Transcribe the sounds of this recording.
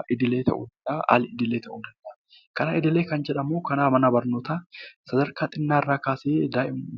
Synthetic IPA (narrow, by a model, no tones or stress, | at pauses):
ʔɪd̪ɪle̞ːt̪ʰɐ̰ʔṵd̪ɐnd̪ɐʔa̰ːlɪɪd̪ɪle̞ːt̪ʰɐʔud̪ɐnd̪ɐ | kɐnaːʔɪd̪ɪle̞ːkɐnd͡ʒɛᶑɐmoːkɐnaːmɐnɐbɐɾnoːt̪asɐd̪ɐɾkaːt̪ʼɪnːaːɪrːaːkaːseːd̪aːʔɪm